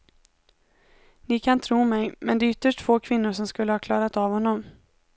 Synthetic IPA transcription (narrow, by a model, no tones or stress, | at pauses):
nɪkʰant̪ʰɾuːmɛjmɛnd̪ɛːʏt̪ːəʂʈfoːkʰvɪnːʊɾʂɔmskɵlːəhɑːkʰlɑːɾat̪avhɔnːɔm